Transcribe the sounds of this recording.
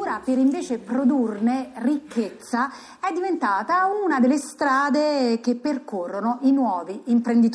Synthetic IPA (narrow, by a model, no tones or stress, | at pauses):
ɾapeɾiɱveːt͡ʃepɾod̪urnerikʰːet̪sːa | ɛd̪ːivent̪aːt̪aununad̪elːest̪ɾaːd̪ekepːerkorːonoʔinwɔːviimpɾend̪it̪